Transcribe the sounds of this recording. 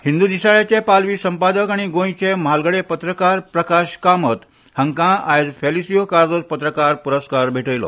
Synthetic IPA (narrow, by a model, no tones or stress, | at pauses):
hind̪uːd̪isaɭjat͡ɕepalʋiːsəmpad̪əkaɽ̃iɡõj̃t͡ɕemalɡəɽepət̪ɾəkaɾpɾəkaɕkamət̪ | həŋkãajd͡zfelisijokaɾd͡zot͡spət̪ɾəkaɾpuɾəskaɾbʱeʈəjlɔ̰